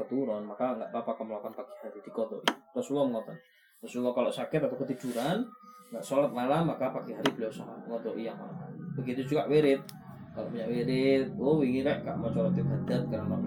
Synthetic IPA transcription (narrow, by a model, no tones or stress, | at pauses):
ət̪uɾɔnmakaŋɡa̰ʔbapakəməlɔkanpaki̥haɾid̪̥ikɔt̪ɔʔirɔsulɔməŋɔt̪ɔn | rɔsulɔkaloʔsakɪt̪at̪awkət̪id͡ʒuɾanŋɡaʔsɔlat̪̚malamakapakiɦaɾibəlawsaɦaŋɔt̪ɔʔijaŋmalabəɡit̪ud͡ʒukaʔweɾɪt̪̚ | kaloʔpuɲaʔweɾɪt̪̚wowiŋiɾɛʔka̰ʔmɔt͡ʃɔɾɔt̪iɦad̪̥at̪̚kaɾaŋrɔ̰ʔ